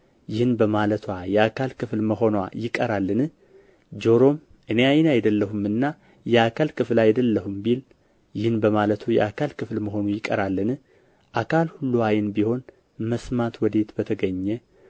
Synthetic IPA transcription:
jɪhɨnbəmalət̪ʰwajɛakʰalkɨflməɦo̞nwajɪkʼəɾalːɨnɨ | d͡ʒo̞ɾo̞m | ʔɨne̞ajnajɛd̪əlːəhumɨnːa | jɛakʰalkɨflajɛd̪əlːəhumbil | jɪhɨnbəmalət̪ʰujɛ̰akʰalkʰɨflməɦo̞nujɪkʼə̰ɾalːɨnɨ | ʔakʰalhulːuajɪnbiho̞n | məsmat̪wɔd̪e̞t̪bət̪ʰəɡəɲːɛ

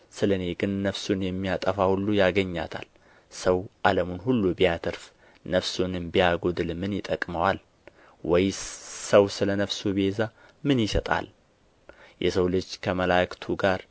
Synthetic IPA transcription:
sɨlɨne̞ɡɨnːəfsunjɛmːijat̪ʼəfahulːujaɡəɲːa̰t̪ʰa̰l | səwʔaləmunhulːubijat̪ʰɨɾf | nəfsunɨmbijaɡod̪ɨlmɨnjɪt̪ʼəkʼməwal | wɔjsəwsɨlənəfsubiheza | mɨnjɪsət̪ʼa̰l | jɛ̰səwlɨd͡ʒːkʰəməlakt̪ʰuɡaɾ

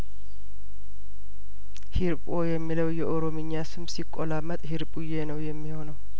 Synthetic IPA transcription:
hiɾpʼojɛmːiləwjɛʔoɾo̞mɨɲːasɨmsikʼːolamət̪ʼhiɾpʼujenəwjɛmːiho̞nəw

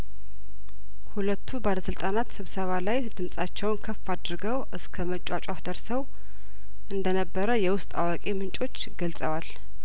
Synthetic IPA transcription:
hulət̪ʰːubaləsɨlt̪ʼanat̪sɨβsəβalajd̪ɨmsʼat͡ʃːɛwnkʰəfːad̪ɾɨɡəwʔɨskʰəmət͡ʃʼat͡ʃʼafd̪əɾsəw | ʔɨnd̪ənəbːəɾəjɛwʊst̪ʼawakʼe̞mɨnt͡ʃʼo̞t͡ʃːɡəlsʼəwal

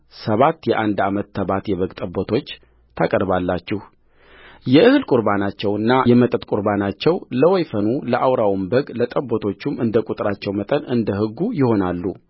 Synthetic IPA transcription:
səβat̪ːjɛʔand̪amət̪ːʰəβat̪jɛβəɡt̪ʼəbːot̪ʰo̞t͡ʃː | t̪ʰakʼəɾbalːat͡ʃːɪh | jɛʔɨhɨlkʼuɾbanat͡ʃːɛwɨnːajɛmət̪ʼət̪kʼuɾbanat͡ʃːɛwləwojfənuləʔawɾawmbəɡlət̪ʼəbːot̪ʰo̞t͡ʃːumɨnd̪əkʼut̪ʼɾat͡ʃːɛwmət̪ʼənɨnd̪əhɨɡːujɪho̞nalːṵ

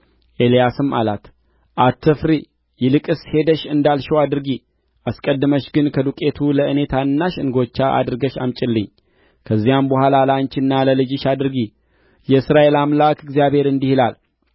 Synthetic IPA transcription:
ʔe̞lijasɨma̰lat̪ | ʔat̪ʰːɨfɾi | jɪlɨkʼɨshe̞d̪əʃɨnd̪alʃɛwad̪ɨɾɨɡi | ʔaskʼəd̪ːɨməʃɡɨnkʰəd̪ukʼe̞t̪ʰuləɨne̞t̪ʰanːaʃɨ̰nɡo̞t͡ʃːaʔa̰d̪ɨɾɨɡəʃa̰mt͡ʃʼɪlːɨɲː | kʰəzːijambəhalalant͡ʃɪnːaləlɨd͡ʒɪʃad̪ɨɾɨɡi | jɛsɾae̞lamlakɨɡzijabhe̞ɾɨnd̪ihɨlal

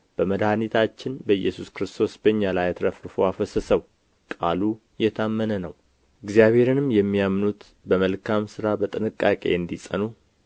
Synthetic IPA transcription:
b̥əməd̪hanit̪ʰat͡ʃːɪnbəɨjːɛsuskɾɨst̪ʰo̞sbəɲːalajt̪ʰɾəfɾfoafəsəsəw | kʼalu | jɛt̪ʰamːənənəw | ʔɪɡzijaβhe̞ɾɨnɨmjɛmːijamːnut̪ | bəməlkʰamsɨɾabət̪ʼɨnɨkʼːakʼe̞̰ɨnd̪isʼə̰nu

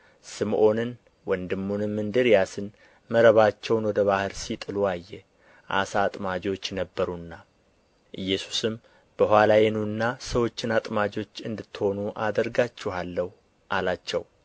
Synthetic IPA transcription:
sɨmʔo̞nɨn | wɔnd̪ɨmːunɨmːɨnd̪ɨɾjasɨn | məɾəβat͡ʃːɛwnwɔd̪əβahɨɾsit̪ʼɨluajːɛ | ʔa̰saːt̪ʼmad͡ʒot͡ʃːɛnəbːəɾunːa | ʔɨjːɛsu̥sɨm | b̥əɦʷwalajɛnunːasəwo̞t͡ʃːɪnat̪ʼmad͡ʒo̞t͡ʃːɨnd̪ɨt̪ʰːho̞nuʔa̰d̪əɾɡat͡ʃːɛhalːəhu | ʔalat͡ʃːɛw

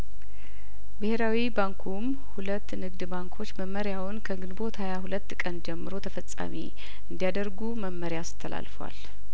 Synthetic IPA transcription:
bɨhe̞ɾawibaŋkʰum | hulət̪ːnɨɡd̪baŋkʰo̞t͡ʃːməmːəɾjawʊnkʰəɡɨnbo̞t̪hajaɦulət̪ːkʼənd͡ʒɛmːɨɾo̞t̪ʰəfəsʼːa̰mḭ | ɨnd̪ijad̪əɾɡuməmːəɾjasɨ̥t̪ʰːəla̰lfəwa̰l

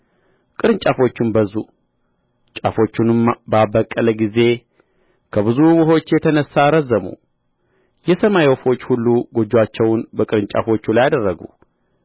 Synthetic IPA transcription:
kʼɨɾɨnt͡ʃʼafo̞t͡ʃːɪnbəzːu | t͡ʃʼafo̞t͡ʃːunɨmbəabəkʼːələɡize̞ | kʰəβɨzuwɨɦo̞t͡ʃːjɛt̪ʰənəsːaɾəzːəmṵ | jɛsəmajofo̞t͡ʃːhulːuɡo̞d͡ʒːwat͡ʃːɛwnbəkʼɨɾɨnt͡ʃʼa̰fo̞t͡ʃːulajad̪ərːəɡṵ

